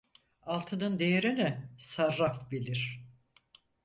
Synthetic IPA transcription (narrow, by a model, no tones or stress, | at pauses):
alˠt̪ʰɯnɯnd̪ejeɾinɛsaɾːafbilʲiɾ̥